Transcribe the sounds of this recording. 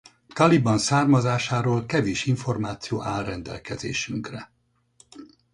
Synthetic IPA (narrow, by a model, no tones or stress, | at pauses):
t̪ɒlibɒnsaːrmɒzaːʃaːɾoːlkɛveːʃiɱfo̞rmaːt̪sijo̰ːʔaːlrɛnd̪ɛ̰lkɛzḛːʃyŋkrɛ